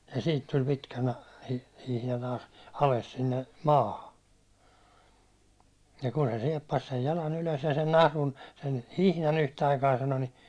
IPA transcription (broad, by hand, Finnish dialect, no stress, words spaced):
jɑ siːt tulʲ pitkæ nɑ hihnɑ nɑ ɑles sinːe mɑːhɑ jɑ ku se siɛpːɑs sej jɑlɑn yløs jɑ sen nɑhlun sen hihnɑn yhtæɑikɑː sɑno ni